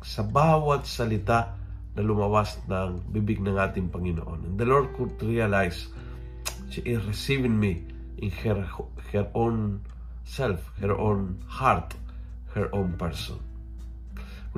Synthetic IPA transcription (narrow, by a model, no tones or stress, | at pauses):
sɐbawat̪sɐlɪt̪a | nɐlʊmawasnɐŋbibɪk̚nɐŋʔaːt̪ɪŋpɐŋɪno̰ʔo̰nɛ̰̃nd̪əlɔɹd̪̚kʊd̪ɹialajs | ʃiʔɪsɹɪsivɪŋmi | ʔɪnhɛ | hɛɹʔõn | sɛlfhɛɹʔõn | haɹt̪ | hɛɹʔõnpɛɹsɔ̰̃n